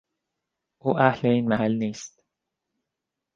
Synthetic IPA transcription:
ʔuːʔæhleiːnmæhælniːst̪

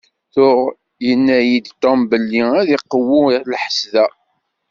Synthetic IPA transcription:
θʊʁ | jənːæjid̪t̪ːɑmbəlːiæðiqːəwʊlħə̥sðæ

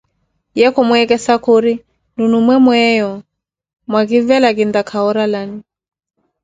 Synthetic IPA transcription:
jɛkɔmwɛkɛsakuɾi | nunumwɛmwɛjɔ | mwaɣivɛlaɡindakʰaɔɾalani

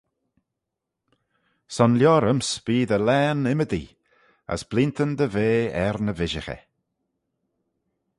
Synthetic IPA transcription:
sɔnljɔːɾəmsb̥iːd̪əlɛːnɪməd̪i | ə̰sb̥lint̪ʰənd̪əveːɛɾnəvɪʒəxɛ̰

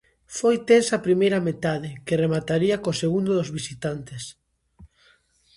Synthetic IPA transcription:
fojt̪ensapɾimejɾɐmet̪aðɪkeremat̪aɾiɐkoseɣund̪oðozβisit̪ant̪es

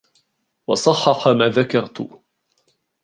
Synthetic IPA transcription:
wɑsˤɑħːɑħamaːðakɑɾˤt̪ʊ̰

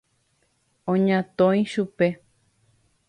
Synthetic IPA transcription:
õɲãt̪õj̃ʃupe̞

